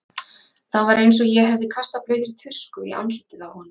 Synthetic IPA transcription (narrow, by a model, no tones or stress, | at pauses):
θaðvaɾejnsɔjɛɦɛvðɪkʰast̪aplœːɥt̪ɾɪt̪ʰʏr̥skʏḭʔa̰nt̪lit̪ɪnawhɔnʏ